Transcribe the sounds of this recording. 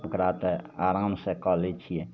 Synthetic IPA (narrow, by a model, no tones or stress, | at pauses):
pəkɾaːt̪ɛaːɾãːmsekɔːleːt͡ʃʰie